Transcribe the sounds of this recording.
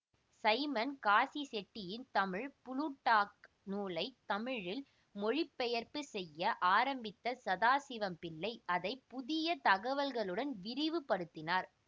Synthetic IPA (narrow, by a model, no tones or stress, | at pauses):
sɐɪmɐnkaːsisɛʈːɪjɪnt̪ɐmɪɻpʊlʊʈːaːk̚ | nuːlɐɪt̪ɐmɪɻɪl | mɔɻɪpːɛjɐɾpɯsɛjːɐʔaːɾɐmbɪt̪ːɐsɐðaːsɪʋɐmpɪlːɐɪʔɐðɐɪpʊðɪjɐt̪ɐɣɐʋɐlɣɐɭɯɽɐnʋɪɾɪʋɯpɐɽɯt̪ːɪnaːɾ